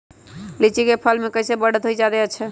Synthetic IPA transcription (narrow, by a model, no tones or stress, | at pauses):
lit͡ʃikepʰəlmekəjsebəɽət̪ɦojd͡ʒad̪et͡ʃʰɛ